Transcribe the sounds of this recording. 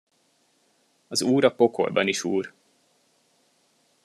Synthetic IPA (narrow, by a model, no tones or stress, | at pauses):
ɒzuːɾɒpo̞kʰo̰lbɒniʃuːr